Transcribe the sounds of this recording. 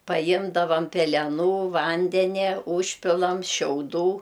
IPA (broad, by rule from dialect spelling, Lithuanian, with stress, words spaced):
pɐˈjɪmdɐʋɐm pʲɛlʲɛˈnuː ˈʋɐnʲdʲɛnʲɛ ˈuːʃʲpʲɪlˠɐm ʃʲɛʊˈduː